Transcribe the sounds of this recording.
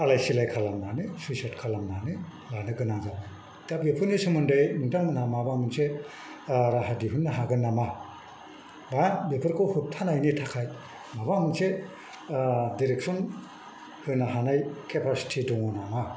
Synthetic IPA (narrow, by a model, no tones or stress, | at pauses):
alajsilajkʰalamnanɯsisatkʰalamnanɯ | lanɯɡɯnaŋzaba | tabepʰɯnisɯmɯndɯjmɯŋtaŋmɯnamabamɯnse | ɾaɦadiɦɯnːaɦaɡɯnːama | babepʰɯɾkʰowhut̚tʰanajnitʰakʰaj | mabamɯnse | diɾek̚sɔn | hɯnaɦanajkʰepʰasi̥tʰidɔŋɔnama